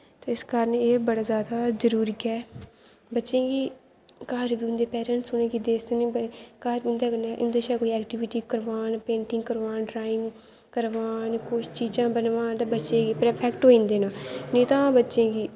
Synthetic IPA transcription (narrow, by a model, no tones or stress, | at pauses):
t̪eɪskaɾneeːbəɽaːzjaːd̪aːzəɾuːɾiːkɛː | bətːʃẽːɡiː | kaːɾbiːʊnd̪eːpɛːɾə̃ɳʈsʊnẽːɡiːd̪eːsd̪eːnẽːbkaːɾbiːʊ̃nd̪aːkənaːʔʊnd̪eːʃaːkoːiːɛːkʈɪʋɪʈiːkəɾʋaːnpẽːɳʈɪ̃ŋɡkəɾʋaːnʈɾaːɪ̃ŋɡ | kəɾʋaːnkʊt͡ʃʰt͡ʃiːd͡ʒãːbənʋaːnt̪aːbətːʃẽːɡiːpɾɛːpʰɛːkʈɦoːĩːnd̪eːnãːneːt̪ãːbətːʃẽːɡiː